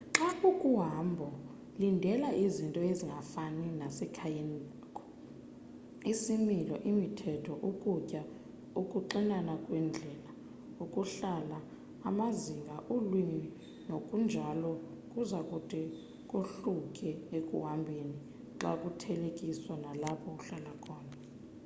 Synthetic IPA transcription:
ǁaukʼuɦambʱɔ | lindʱɛlaʔizintʼɔeziŋʱafaninasɛkʰajeni | kʼɔ̥ | isimilɔʔimitʰɛtʰɔʔukʼucʼa | ukʼuǃinanakʼwɛnd͡ɮʱɛːla | ukʼuɬalaː | maziŋɡʱaʔolwini | nokʼund͡ʒʱalɔ | kʼuzakʼutʼɛ | kʼuɬukʼɛekʼṵwambʱeni | ǁa̰kʼutʰɛlekʼiswanalapʰɔuɬalakʰɔːna

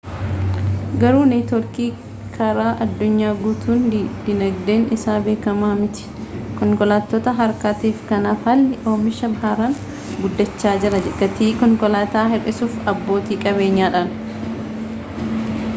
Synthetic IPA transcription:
ɡɐɾuːnɐjt̪ɔɾkiː | kʰɐɾaːʔɐd̪ːʊɲːaːɡuːt̪uːnd̪̥ɪnɐɡd̪e̞ːnɪsaːbe̞ːkɐmaːmɪt̪ɪ̥kɔŋkɔlaːt̪ːɔt̪ɐɦɐɾkaːt̪iːfkɐnaːfhɐlːɪʔo̞ːmɪʃɐbɐaːɾan | ɡʊd̪ːɐt͡ʃːaːd͡ʒɪɾɐd͡ʒɡɐt̪iːkɔŋkɔlaːt̪aːɦɛrɪsuːfɐbːo̞ːt̪iːkʼɐbe̞ːɲːaːᶑan

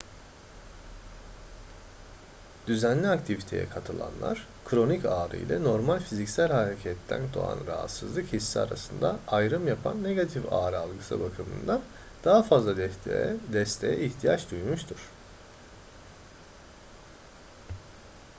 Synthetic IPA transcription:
d̪̥yzænlʲiakt̪ʰivit̪ʰe̞jɛ̰kʰat̪ʰɯlˠa̰nlˠa̰ɾ̥ | kʰɾo̞nicaːɾɯ̰jlʲɛ̰no̞ɾmalʲfizicsælʲhaɾecʰɛt̪ʰːæ̰nd̪o̰a̰nɾaɦa̰t̪sɯzlˠɯkhisːia̰ɾa̰sɯnd̪a̰ajɾɯmjapʰa̰nːe̞ɡat̪ʰifa̰ːɾɯalˠɡɯsɯ̰bakʰɯmɯ̰nd̪a | d̪̥aɦafazlˠa | d̪ɛst̪ʰe̞jɛ̰içt̪ʰijat͡ʃd̪ujmuʃt̪ʰuɾ̥

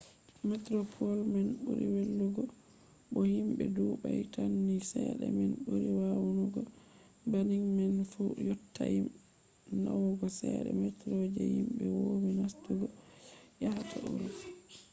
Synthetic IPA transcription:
mɛtɾɔpʰɔlmɛnɓuɾiwelːuɡɔ | ɓɔhimɓɛduɓajtʰanːisɛɗɛmɛnɓuɾiwawunuɡɔ | baniŋmɛnfujɔtːajim | nawɡɔsɛɗɛmɛtɾod͡ʒɛhimɓɛwominastuɡɔjahatʰaʔuɾuf

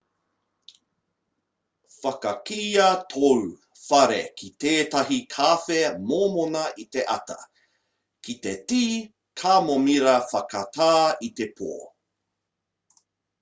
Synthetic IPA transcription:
fɐkɐkiːɐtʰow | fɐɾḛkʰiteːtɐɦikʰaːfemoːmonɐʔit̪eʔɐtɐ̰ | kʰitetiː | kʰaːmomiɾɐfɐkɐtaːit̪epʰo̰ː

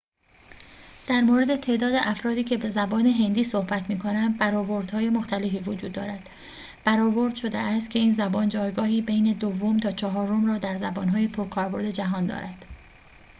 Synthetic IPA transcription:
d̪̥æɾmoɾe̞d̪e̞t̪ʰe̞ːʔd̪ɒːd̪eʔæfɾɒːd̪iːcʰe̞be̞zæbɒːne̞ɦe̞nd̪iːsohbæt̪ʰmiːkʰo̞næmd̪bæɾɒːboɾd̪̥hɒːje̞moxt̪ʰæle̞fiːvod͡ʒuːd̪ːɒːɾæd̪̥ | b̥æɾɒːbo̞ɾd̪̥ʃo̞d̪ḛʔæst̪cʰe̞iːnzæbɒːnd͡ʒɒːjɡɒːhiːbe̞jne̞d̪ovːomt̪ʰɒːt͡ʃʰɒɦɒːɾo̞mrɒːd̪æɾzæbɒːnɦɒːje̞pʰoɾkʰɒːɾbo̞ɾd̪e̞d͡ʒæɦɒːnd̪ɒ̰ːɾæd̪̥

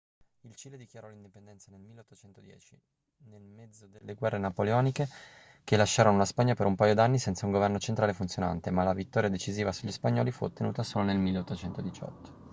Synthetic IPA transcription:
ilt͡ʃiːled̪ikjaɾɔlind̪ipend̪ɛnt̪sanelmilːeot̪ːot͡ʃɛnt̪od̪jɛ̰ːt͡ʃi | nelmɛd̪zod̪elːeɡwɛrːenapoleɔːnike | kelaʃːaːɾonolaspaɲːapeɾumpajod̪anːisɛnt̪sauŋɡovɛrnot͡ʃent̪ɾaːlefunt̪sjona̰nt̪emalavit̪ːɔɾjad̪et͡ʃiziːvasuʎːispaɲːɔːlifuo̰t̪ːenuːt̪asoːlonelmilːeot̪ːot͡ʃɛnt̪od̪it͡ʃɔ̰t̪ːo̥

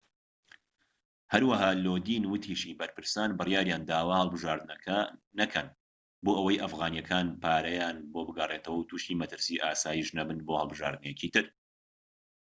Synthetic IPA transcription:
hɐɾwɐɦaːlod̪iːnwʊt̪ʰiːʃibɐɾpɨɾsaːnbɨrjaːɾjaːnd̪aːwɐhəlˠbɨʒaːɾd̪ɨnɐkʰɐnɐkʰɐn | boːʔəwɐjʔɐfɣaːnjɛkʰaːnpʰaːɾɐjaːnbobɨɡɐreːt̪ʰɐwɐwt̪ʰuːʃt̪iːmɐt̪ɨɾsiːʔaːsaːjiʃnɐbɨnboːhɐlˠbɨʒa̰ːɾd̪ɨnejɛciːt̪ʰɨɾ

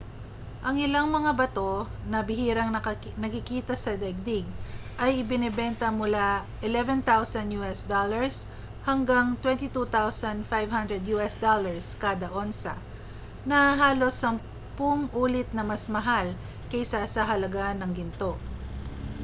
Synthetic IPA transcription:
ʔɐŋɪlaŋmɐŋabɐt̪o̞nɐbɪhiːɾɐŋɐ | nɐkɪkiːt̪ɐsɐd̪ɛɡ̚d̪ɪɡ̚ʔɐjɪbɪnɛbɛnt̪ɐmʊlaʔɪlɛvɛnt̪awsɐnjuːʔɛsd̪olɐɹs | hɐŋɡaŋt̪wɛnt̪it̪ut̪awsɐnd̪fajvhɐnd̪ɾɛd̪juːʔɛsd̪olɐɹskaːd̪ɐʔonsɐ̰ | nɐɦaːlo̞sɐŋ | pʊŋʔuːlɪt̪̚nɐmɐsmɐɦal | kɐjsasɐɦɐlɐɡanːɐŋɡɪnt̪o̞

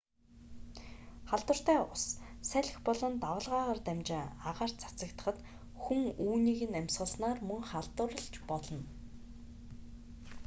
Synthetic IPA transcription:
χaɮt̪wə̆r̥t̪æːʊssæɮʲɪ̆xpɔɮɞ̆nt̪awə̆ɮʁaːʁaːrt̪æmʲt͡ɕɪŋaʁaːr̥t͡sʰḁt͡sə̆kt̪ə̆χə̆t̪ | xuŋuːniːɣɘ̆næmʲsʁə̆snaːrmɵŋχaɮt̪ə̆rə̆ɮt͡ɕpɔɮɞ̆n

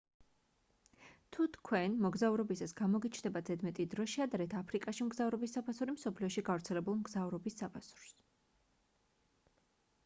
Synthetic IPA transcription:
t̪ʰut̪ʰkʰwɛnmɔɡzavuɾɔbisasɡamɔɡit͡ʃʰnd̪ɛbad̪zɛd̪mɛt̪ʼid̪ɾɔʃiad̪aɾɛt̪ʰapʰɾikʼaʃimɡzavɾɔbisːapʰasuɾimsɔpʰliɔʃiɡavɾt̪sʰɛlɛbulˠmɡzavɾɔbisːapʰasu̥ɾs

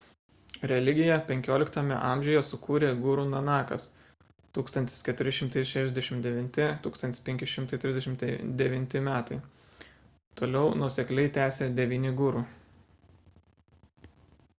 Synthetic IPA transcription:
ɾʲɛlʲɪɡʲɪjɛpʲɛŋʲkʲoːlʲɪkt̪ɐmʲɛ̰ʔɑːˑmʲʒʲɛʊjɛsʊkuːɾʲeːɡʊɾuːnɔnɑːkɐ̰s | t̪uːkst̪ɐnt̪ʲɪskʲɛt̪ʊɾʲɪʃʲɪmt̪ɐɪʃʲæːʃʲɛzd̪ʲɛʃʲɪmt̪d̪ʲɛʋʲɪnʲt̪ʲɪt̪uːkst̪ɐnt̪ʲɪ̥sʲpʲɛŋʲkʲɪʃʲɪmt̪ɐɪt̪ʲɾʲɪzd̪ʲɛʃʲɪmt̪d̪ʲɛʋʲɪnʲt̪ʲɪmʲæːt̪ɐɪ | t̪oːlʲɛʊnuɔsʲɛklʲɛɪt̪ʲæːsʲeːd̪ʲɛʋʲiːnʲɪɡʊɾuː

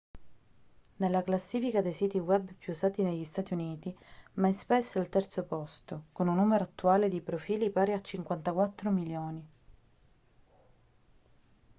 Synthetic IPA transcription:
nelːaklasːiːfikad̪ejsit̪iwɛbpʰjuːsaːt̪ineʎːist̪aːt̪iuniːt̪imajspɛsːalt̪ɛrt̪sopɔst̪okonunːumeɾoat̪ːuaːled̪ipɾofiːlipaːɾeat͡ʃːiŋkwant̪akwat̪ːɾomiljoːni

